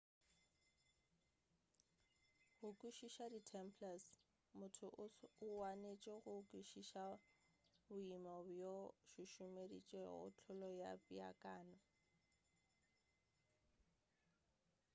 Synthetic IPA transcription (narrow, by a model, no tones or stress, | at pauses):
ɣʊkʼuʃiʃaditʰɛmpʰlas | mʊtʰʊʔʊwanet͡ʃʼɔɣʊkʼuʃiʃa | bʊimɔbjoʃʊʃʊmedḭt͡ʃʼɛʊ̰t͡ɬʰʊlɔja̰pʼia̰kʼaːnɔ